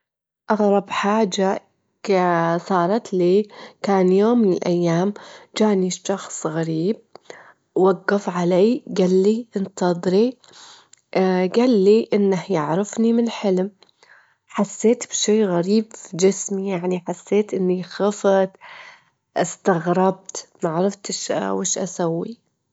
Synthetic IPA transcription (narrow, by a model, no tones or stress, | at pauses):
ʔɑɣɾˤɑbħaːd͡ʒa | sˤɑːɾˤɑt̪liːkaːnjoːmːɪnɪlʔajːaːmd͡ʒaːʔniʃɑxsˤɣaɾiːb̚ | wɑɡːɑfʕalaːɡalːiʔɪnt̪ɑd̪ˤɾi | ɡalːiʔɪnːahjɪʕɾɪfnimɪnħɪlm | ħasːeːt̪b̥ʃeːɣaɾiːbd͡ʒɪsmijaʕniħasːeːt̪ʔɪnːixɑft̪ | ʔɪst̪aɣɾˤɑb̚t̪maʕɾɑft̪ɪʃwɪʃʔa̰sawːi